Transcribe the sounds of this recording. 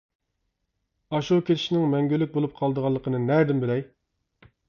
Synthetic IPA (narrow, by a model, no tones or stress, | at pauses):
ɑʃukʲelʰɪ̥ʃinɪŋmɛŋɡʲylːɪk̚ʲbolˠup̚qʰɑlˠd̪əʁɑlˠːəqʰənɨnæɾd̪ɪmbɪlɛj